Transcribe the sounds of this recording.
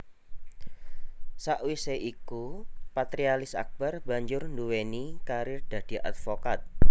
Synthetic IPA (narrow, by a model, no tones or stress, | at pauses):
saʔwiseʔikupat̪ɾialɪsa̰k̚b̥arba̤ɲd͡ʒʊrnduwenikaɾɪrd̪̥a̤d̪̥i̤ʔa̰t̪fokat̪̚